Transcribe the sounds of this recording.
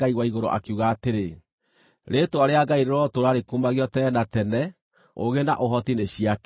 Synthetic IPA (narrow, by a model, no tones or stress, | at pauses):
aiɣwaiɣoɾo̰ʔa̰kiuɣaːteɾe | ɾetoaɾeaɡaiɾeɾɔtoɾaɾekumaɣiɔtɛnatɛnɛ | o̰ɣena̰ʔoɦɔtineɕiak